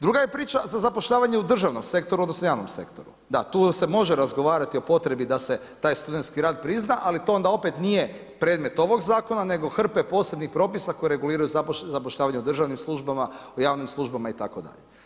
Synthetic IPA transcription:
d̪ɾuɡajepɾiːt͡ʃazazapo̞ʃʎaːʋaɲeud̪r̩ʒaʋnomse̞k̚t̪o̞ɾuod̪nosnojaːʋnomse̞̰kt̪o̞ɾu | d̪at̪uːse̞mo̞ʒeɾazɡo̞ʋaːɾat̪io̞po̞t̪ɾe̞bid̪ase̞ | t̪aːjst̪ud̪et̪skiɾaːd̪̚pɾiznaʔalit̪o̞o̞nd̪ao̞pet̪nije | pɾe̞ːd̪me̞t̪o̞ʋo̞ɡzaːko̞nane̞ɡo̞xr̩pepo̞ːse̞bnixpɾo̞ːpisako̞jiɾe̞ɡuliːɾajuzazapoʃʎaːʋaɲeud̪r̩ʒaʋnimslˠuʒbamaojaːʋnimslˠuʒbamait̪a̰ko̞d̪a̰ʎe

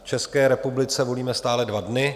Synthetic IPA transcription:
ft͡ʃɛskɛːɾɛpublɪt͡sɛvo̞liːmɛst̪aːlɛdvadnɪ

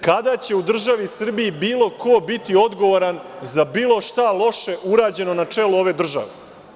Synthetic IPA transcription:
kad̪at͡ɕe̞ud̪r̩ʒaʋisr̩biibiːlˠo̞kʰo̞bit̪io̞d̪ɡo̞ʋoɾanzabiːlˠo̞ʃt̪alˠo̞ʃe̞ʔuɾaːd͡ʑe̞no̞nat͡ʂe̞luo̞ʋe̞ːd̪r̩ʒa̰ʋḛ

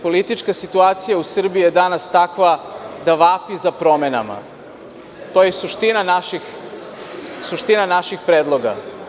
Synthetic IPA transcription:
po̞lit̪it͡ʃkasit̪uaːt̪sijausr̩biijed̪anast̪akʋad̪aʋaːpizapɾo̞mena̰ma̰ | t̪ojesuʃt̪inanaʃix | suʃt̪inanaʃixpɾeːd̪lˠo̞ɡa̰

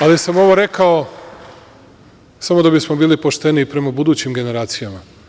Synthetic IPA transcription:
alisamo̞ʋo̞ɾe̞kao | samo̞d̪abismo̞biːlipo̞ʃt̪e̞niːpɾe̞mabud̪uːt͡ɕimɡe̞ne̞ɾaːt̪sijama

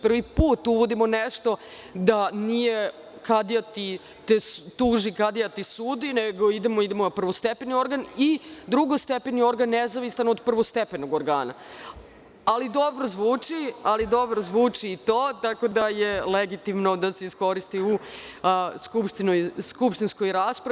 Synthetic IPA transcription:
pr̩ʋipuːt̪uʋo̞d̪imo̞neʂt̪o̞ | d̪anije̞ | kad̪ijat̪i | t̪est̪uːʒikad̪jat̪isuːd̪ineɡo̞id̪emoid̪emonapr̩ʋost̪epenio̞ɾɡanid̪ɾuɡost̪epenio̞ɾɡanːezaʋisanod̪pr̩ʋost̪epenoɡoɾɡa̰ːna̰ | alid̪o̞bɾozʋuːt͡ʂialid̪o̞bɾozʋuːt͡ʂiːt̪oːt̪ako̞d̪aje̞leɡit̪imnod̪ase̞isko̞ɾist̪iu | skupʃt̪inojskupʃt̪inskojɾaːspɾai

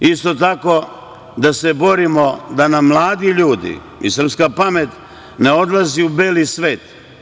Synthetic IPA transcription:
ist̪o̞t̪ako̞ | d̪asebo̞ɾimo̞d̪anamːlˠaːd̪iʎuːd̪ḭ | ḭsr̩pskapamet̪ | ne̞o̞d̪lˠaziubeːlisʋeːt̪

